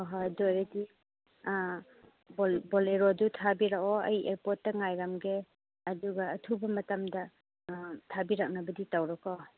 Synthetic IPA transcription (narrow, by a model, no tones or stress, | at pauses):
ɔɦajdojɾɐdi | bolbɔleɾodutʰabiɾakɔɐjeɾpɔt̚ːɐŋajɾamɡe | ɐduɡɐːtʰubɐmɐtamdɐ | tʰabiɾak̚nɐbɐditawɾakɔ